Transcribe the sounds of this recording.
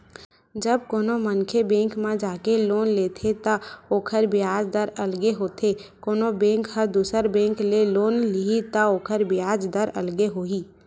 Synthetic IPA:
d͡ʒəb̚koːnomənkʰebẽːŋkmãd͡ʒaːkeloːnleːt̪ʰet̪aoːkʰəɾbɪjaːd͡ʒd̪əɾɐlɡeɦoːt̪ʰekoːnobẽːŋkhəɾd̪uːsəɾbẽːŋkleloːnliit̪aoːkʰəɾbɪjaːd͡ʒd̪əɾɐ̰lɡeɦoːiː

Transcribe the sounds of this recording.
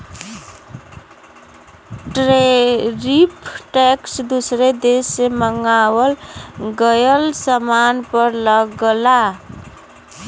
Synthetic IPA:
ʈɾeɾipʰʈeksd̪usɾed̪eseməŋɡawəlɡəjəlsəmanpəɾləɡəla

